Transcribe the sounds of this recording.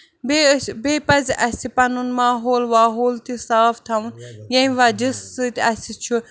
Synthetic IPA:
bebeːpɐzʔɐsipɐnunmaːɦoːlʋaːɦoːlt̪isaːft̪ʰɐʋunjɐĩʋaːd͡ʒisɨt̪ʲɐsit͡ʃʰu

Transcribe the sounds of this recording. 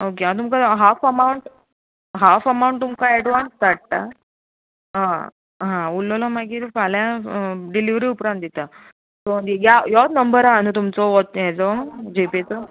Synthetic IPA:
okeɦãt̪̬umkaɦafəmauɳʈ | ɦafəmaũɳʈ̚t̪umkaɛɖʋanst̪aʈ̚ta̰ | ɦã | ɦãulːɔlɔmaɡiːɾfaljaɖiliʋɾiupɾãnt̪d̪it̪a | t̪ojajat̪nəmbəɾaːnut̪umt͡sɔɔt̪jɛd͡zɔd͡ʑepet͡sɔ

